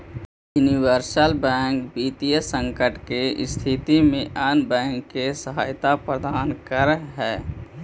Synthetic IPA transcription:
juniwəɾsəlbɛ̃ːŋkbiːt̪iesə̃ŋkəʈkeɪst̪ʰɪt̪imẽʔənbɛ̃ːŋkːesəɦa̰ːjt̪apɾəd̪aːnkəɾɦɛː

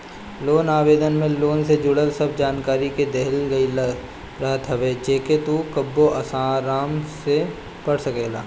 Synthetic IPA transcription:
loːnaːbeːd̪ənmẽloːnsed͡ʒʊɽəlsɐb̚d͡ʒaːnkaːɾiked̪eɦəlɡəil | ɾaɦt̪ʰɦɐbeːd͡ʒeːket̪ukəbːoʔɐsaːɾaːmse | pɐɽsəkeːlaː

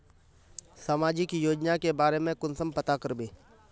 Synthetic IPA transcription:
saːmaːd͡ʒɪkjoːd͡ʒnakebaːɾemẽkʊnsəmpɐt̪akɐɾbeː

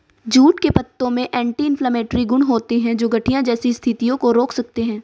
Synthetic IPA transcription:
d͡ʒuːʈkepɐt̪ːõmẽʔɛ̃ːɳʈiɪ̃npʰlaːmɛ̃ːʈɾiɡʊɳɦoːt̪eɦɛ̃d͡ʒoːɡɐʈʰijãd͡ʒɛːsist̪ʰɪt̪ijõkoɾoːkʰsɐk̚t̪eɦɛ̃ː

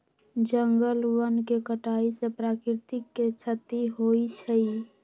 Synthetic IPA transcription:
d͡ʒəŋɡəlwənkekəʈaisepɾakɾit̪ikːet͡ʃʰət̪iɦojt͡ʃʰəj

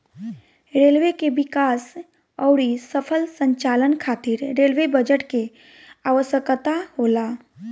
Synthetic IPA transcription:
ɾeːlʋekebɪkaːs | ɔːɽisəpʰəlsə̃ɲt͡ʃaːlənkʰaːt̪iɾɾelʋebəd͡ʒəʈke | aʋəʃjəkt̪aɦoːlaː

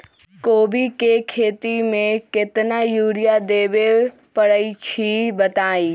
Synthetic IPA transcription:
koːbikekʰeːt̪imẽkɪt̪najuːɾijad̪eːʋe | pɐɽəit͡ɕʰibɐt̪aːi

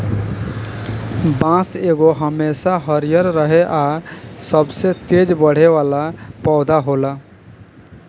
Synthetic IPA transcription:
bãseɡoɦəmesaɦəɾijəɾːəɦeʔasəbset̪ed͡ʒbəɽ̤eʋalapɔːd̪aɦola

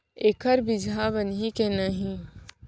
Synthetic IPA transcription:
eːkəɾbɪd͡ʒʱabənikenəɦĩ

